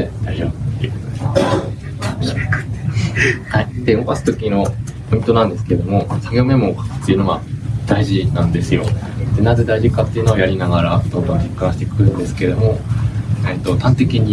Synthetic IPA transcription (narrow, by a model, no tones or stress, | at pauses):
ed̪̥aiʑo̰ːbɯ̟t̪ːejɯ̟kotod̪ema | k̪haid̪e̞obasɨ̥t̪o̞kʲino̞po̞ĩnt̪o̞nãnd̪e̞sɨ̥ke̞ɾed̪o̞mo̞saɡʲeome̞mo̞ːkḁt̪ːeiɯ̟noɡad̪̥aiʑinãnd̪e̞sɨjo̞̰ | d̪̥e̞nazed̪aiʑikat̪ːeiɯ̟noojaɾʲinaɡaɾat̪oːt̪õːɾʲikːãɕi̥t̪ekɯ̟ɯ̃nd̪esɨ̥keed̪o̞mo̞ | et̪ːo̞t̪ãnt̪e̞kʲiɲ̟i